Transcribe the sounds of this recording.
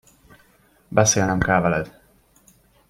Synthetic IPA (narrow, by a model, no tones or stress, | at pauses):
bɛseːlnɛmkɛlvɛlɛd̪̥